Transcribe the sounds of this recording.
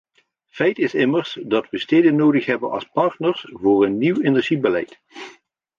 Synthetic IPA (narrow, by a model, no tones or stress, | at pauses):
fɛjtɪsɪməɹsdɑtʋəsteːdənowdəχɦɛbənʔɑ̰lˠspɑɹtnəɹsvʊːɹənːiwenɛɹʒibəlɛ̰jt